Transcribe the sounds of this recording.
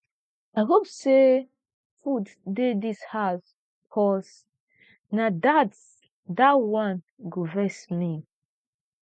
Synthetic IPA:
aɪɦopse | fud | dedishas | kʰɔs | nadat | dawãn | ɡovɛsmi

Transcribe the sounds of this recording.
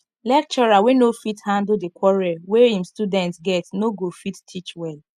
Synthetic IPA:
lɛk̚t͡ʃɔɹawenofithãndldekwɔɹɛweĩmstudɛ̃ntsɡɛtnoɡofittʰit͡ʃwɛl

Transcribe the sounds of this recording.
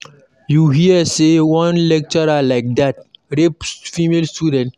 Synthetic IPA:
juɦiəsewɔ̃nlɛk̚t͡ʃəɾalaɪk̚d̪at̚ɾepfimelstudɛ̃nt

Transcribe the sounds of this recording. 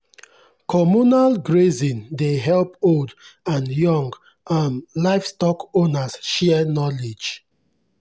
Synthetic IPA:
kʰɔmunalɡɹezĩndeɦɛlpoldãnjɔ̃ŋɡ | anlaɪfstɔkonasʃɛnɔled͡ʒ

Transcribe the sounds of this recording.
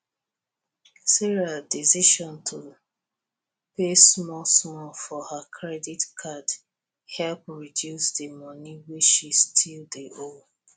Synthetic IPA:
siɹiadisiʃɔ̃ntʰo | pesmɔlsɔ̃fɔhakʰɹɛditkʰad | hɛlpɹidjusdemɔniwet͡ʃʃistʰildeʔo

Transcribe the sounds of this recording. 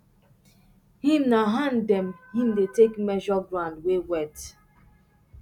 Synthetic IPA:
hĩmnaɦãndɛmhĩmdetekmɛʒɔɡɹãndwewɛt

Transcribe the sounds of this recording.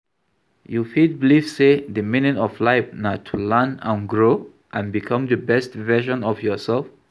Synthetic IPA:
jufid̚bilifsedəminitɔflaɪfnatʰulãnãnɡɹo | ʔãnbikʰʌ̃mdəbɛstvɛʃɔ̃nɔfjɔsɛlf

